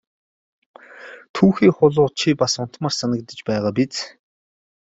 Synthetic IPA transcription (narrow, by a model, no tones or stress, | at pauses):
t̪ʰuːxiːχʊɮʊːt͡ɕʰipasʊn̥t̪maːrsanə̆kt̪ə̆t͡ɕpæːʁaːpit͡s